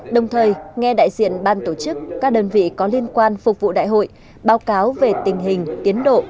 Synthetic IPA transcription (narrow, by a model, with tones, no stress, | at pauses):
ɗə˨˩wŋ͡mt̪ʰəː˨˩jŋɛ˧ɗa̰ː˧˨jzḭ˧˨ənɓaː˧˩nt̪o˧˩t͡ɕɨ˦˥kːaː˦˥k̚ɗəː˧nvḭ˧˨kɔ˨˦li˧ənkwaː˧nfʊ˨˩k͡p̚vṵ˧˨ɗa̰ː˧˨jɦo̰˧˨j | ɓaː˨˦wkaː˨˦wve˨˩t̪ï˨˩ŋ̟ɦï˨˩ŋ̟t̪i˨˦ənɗo̰˧˨